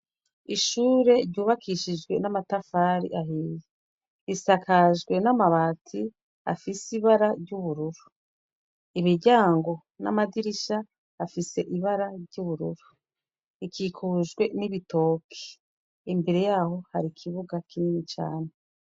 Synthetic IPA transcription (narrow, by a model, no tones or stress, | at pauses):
iʃuːɾe̞ɾɟuːβakʰiʃid͡ʒɡwe̞namatafaːɾḭʔaɦiːje | isakʰaʒɡwe̞namaβaːtʰi | a̰fisiβaɾaɾɟuβuɾuɾu | imiɟaːŋɡo̞ | na̰madiɾiʃaː | fise̞ʔiβaɾaɾɟuβuɾuɾu | ikiːkʰuʒɡwe̞niβito̞ːkʰe̥ | imbe̞ɾe̞jaːho̞haɾikʰiβuɡakininit͡ʃa̰ːne